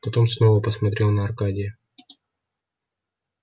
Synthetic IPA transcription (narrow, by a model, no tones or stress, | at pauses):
pɐt̪o̞msno̞vəpəsmɐt̪ɾʲe̞lˠnəɐrkadʲɪjə